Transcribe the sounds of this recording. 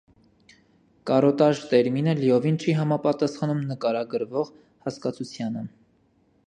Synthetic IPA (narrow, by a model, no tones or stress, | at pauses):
kɑɾɔt̪ɑʒt̪ɛɾminəliɔvint͡ʃʰiɦɑmɑpɑt̪ɑsχɑnumnəkɑɾɑɡəɾvɔʁ | hɑskɑt͡sʰut͡sʰjɑnə